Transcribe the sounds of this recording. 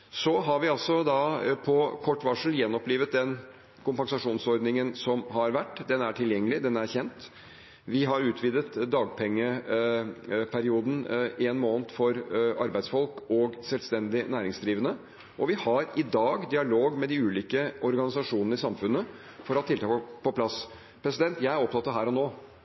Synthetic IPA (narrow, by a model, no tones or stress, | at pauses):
sɔɦɑɾʋɪɑlsɔd̪ɑpʰɔkʰɔʈːʋɑʂl̩jɛnːɔpliːʋət̪̚d̪ɛn | kʰʊmpɑŋsɑʂuːnsɔɾd̪nɪŋənsɔmɦɑɾʋæʈːd̪ɛnæʈʰɪljɛŋːəlɪd̪ɛnæɾçɛnt̪ | ʋɪɦɑɾʉːt̪ʰʋiːd̪ət̪d̪ɑːɡ̚pʰɛŋːə | pʰæɾɪuːd̪n̩ʔeːnmoːnət̪fɔɾɑɾbæɪsfɔlkɔɡsɛlst̪ɛnd̪ɪnæːɾɪŋsd̪ɾiːʋənə | ʔɔʋɪhɑɾɪd̪ɑːɡd̪ɪɑloːɡmɛd̪ɪʉːliːkəʔɔɾɡɑnɪsɑʂuːnənəɪsɑmfʉnə | fɔɾɑt̪ʰːɪlt̪ʰɑːkpʰɔpʰlɑs | pʰɾɛsɪd̪ɛnt̪jæɪæɾɔp̚t̪ʰɑt̪ːɑɾɦæːɾɔnoː